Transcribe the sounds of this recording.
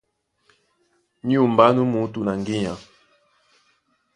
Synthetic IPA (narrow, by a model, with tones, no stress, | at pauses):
ɲ˦u˦˨mba˦nu˦mu˨˦tu˨na˨ŋɡi˦ɲa˨